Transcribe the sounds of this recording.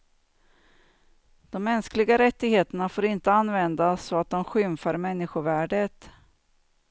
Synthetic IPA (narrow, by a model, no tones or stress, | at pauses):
d̪̥ɔmːɛnsklɪɡaɾɛt̪ːɪɡheːt̪əɳafoːɾɪnt̪əanːvɛnd̪asɔat̪̚d̪ɔmɧʏmfaɾmɛnːɪɧʊvæːɖət̪